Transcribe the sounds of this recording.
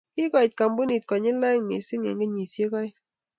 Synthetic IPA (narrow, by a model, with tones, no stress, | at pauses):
ki˦kɔ˨t̚ka˨mbu˦ni˨t̚kɔ˨ɲi˦la˦ŋmḛ˨si˦ŋḛ˨ŋɡe˦ɲi˨sje˦kɔ˦j